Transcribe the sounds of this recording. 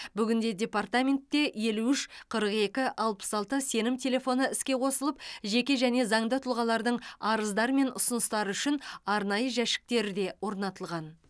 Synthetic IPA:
bʏɡʲɪnd̪e̞dʲe̞part̪amʲe̞nt̪ːe̞je̞luʏʃqʰəɾəqe̞kʲɪʔɑlˠpə̥sɑlˠt̪əse̞nɪmt̪ʲʰe̞lʲe̞fo̞nəɪskʲe̞qʰo̞səlˠəp̚ʒe̞kʲe̞ʒæne̞zɑɴd̪ət̪ʰʊlˠʁɑlˠɑɾd̪əɴɑɾəzd̪ɑɾme̞nʔʊsənəst̪ɑɾəʏʃɪnɑɾnɑjəʒæʃɪ̥k̚t̪e̞ɾɪd̪e̞wo̞ɾnɑt̪əlˠʁɑn

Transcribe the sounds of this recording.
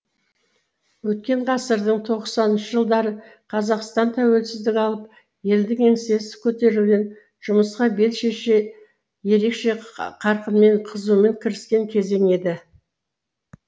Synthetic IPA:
wɵt̪̚kʲe̞ɴʁɑsəɾd̪əɴt̪ʰo̞ʁsɑnnʃəʒəlˠd̪ɑɾə | qʰɑzɑqst̪ɑnt̪ʰæwe̞lsɪzd̪ɪkʲɑlˠəp | je̞ld̪ɪŋe̞ŋse̞sɪ̥kʲʰɵt̪e̞ɾɪlɡʲen | ʒ̥ʊməsqɑbe̞lʃe̞ʃe | je̞ɾe̞kʃe̞qʰɑɾqənme̞ɴqʰəzume̞ŋkʲʰɪɾɪskʲe̞ŋkʲʰe̞ze̞ŋe̞d̪ɪ

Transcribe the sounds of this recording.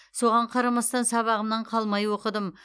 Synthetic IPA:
so̞ʁɑɴqʰɑɾɑmɑst̪ɑnsɑβɑʁəmnɑɴqʰɑlˠmɑjwo̞qəd̪əm

